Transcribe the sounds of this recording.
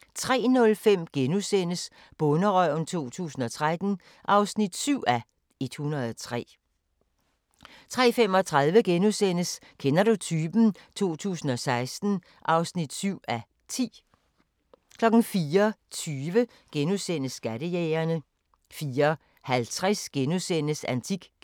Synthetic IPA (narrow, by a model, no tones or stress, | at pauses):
t͡sʰʁɛ̰ːnɔ̽lfem̰ɡ̥enusen̰əs | b̥ɔ̽nəʁœʊ̰n̩t͡sʰo̝̰ːt͡sʰṵːsn̩ɒ̽t͡sʰʁad̥n̩ | ʔɑ̈ʊsnid̥syʊ̰ʔæ | e̝d̥hunʁɐð̩ˠɒt͡sʰʁɛ̰ː | t͡sʰʁɛ̰ːfem̰ɒ̽t͡sʰʁɑ̈ðˠʋəɡ̥enusen̰əs | kʰenɐɾ̥ut͡sʰyːb̥n̩ | t͡sʰo̝̰ːt͡sʰṵːsn̩ɒ̽sɑ̈ɪsd̥n̩ | ʔɑ̈ʊsnid̥syʊ̰æ | t͡sʰḭː | kʰlɒ̽ɡ̥n̩fiːɐt͡sʰyːʋə | ɡ̥enusen̰əsːɡ̥æɾ̥əjeːɐnə | fiːɐ | hælt͡sʰʁɛsɡ̥enusenəsænt͡sʰiɡ̥